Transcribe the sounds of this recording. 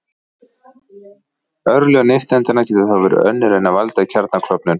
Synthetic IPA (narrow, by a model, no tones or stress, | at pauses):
œɾlɛɣneft̪ɛnt̪ɪnacɛːt̪ʏðawvɛːɾʏ̰œnːʏɾejnːavalt̪acʰɛɾt̪nakʰlɔpnʏn